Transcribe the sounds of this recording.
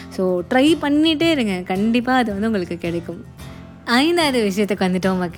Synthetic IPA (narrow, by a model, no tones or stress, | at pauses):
soːʈɾɐjpɐɳːiʈːeːɾɯŋɡɐkɐɳɖɪpːaːɐðɯʋɐnd̪ɯuŋɡɐɭɯkːɯkɪɽɐkːɯm | ɐjɪnd̪aːðɯʋɪʂɐjɐt̪ːɛkːʋɐnd̪ɪʈːɐʋɐmɐkː